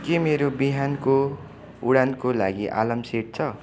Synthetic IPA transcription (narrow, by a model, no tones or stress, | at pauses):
kemeɾobiɦanko | uɽankolaɡiʔa̰lʌmseʈ̚t͡sʰʌ